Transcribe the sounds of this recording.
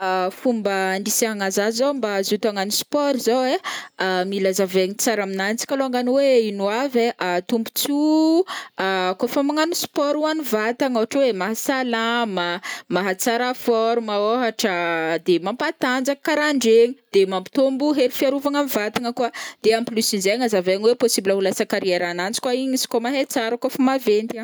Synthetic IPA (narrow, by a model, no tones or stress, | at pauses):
afumbəɳɖ͡ʐisiaŋazazowmbazut̪aŋanuspɔɾizoweamilazaveɲit͡saɾaminant͡si̥kʲaloaŋɡanweinuaveʔat̪umbu̥t͡su | akofamaŋanuspɔɾuanivat̪aŋawaʈ͡ʂwemaɦasalamamaɦat͡saɾafɔɾumaoɦaʈ͡ʂəd̪emampat̪and͡zakəkaɾaɳɖ͡ʐeɲid̪̥emampi̥t̪ombuɦeɾifiaɾuvaŋamivat̪aŋəkwad̪̥eamplysinzeɲazaveaɲiweposibiləulasakaɾieɾanant͡si̥kwaiɲisi̥komaɦet͡saɾəkofəmavent̪a